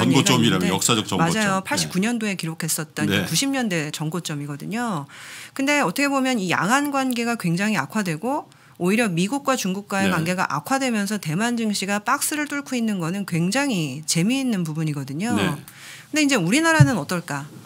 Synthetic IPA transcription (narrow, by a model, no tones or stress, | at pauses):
ʌɡot͡ɕʌmiɾaʌk̚s͈aʌkt͡ɕʌmad͡ʑajopʰaɭɕɕ͈ʰi̥pk͈uɲʌndoe̞kiɾokʰe̞s͈ʌt̚t͈ʌnekuɕʰimɲʌnde̞t͡ɕʌŋɡot͡ɕ͈ʌmiɡʌdɯɲokɯnde̞ʌtʰʌkʰe̞bomjʌnija̰ŋɦanɡwanɡe̞ɡakwe̞ŋd͡ʑaŋia̰kʰwadwe̞ɡo | oiɾjʌmiɡuk̚k͈wat͡ɕuŋɡuk̚k͈waekwanɡe̞ɡa̰ʔa̰kʰadwe̞mjʌnsʰʌte̞mand͡ʑɯŋɕʰiɡap͈ak̚s͈ɯɾɯɭt͈ʰoɭkʰoinːɯnɡʌnɯnkwe̞ŋd͡ʑaŋit͡ɕe̞miːnːɯnpubuɲiɡʌdɯɲo | kɯnde̞ind͡ʑe̞uɾinaɾanɯnʌt͈ʌɭk͈a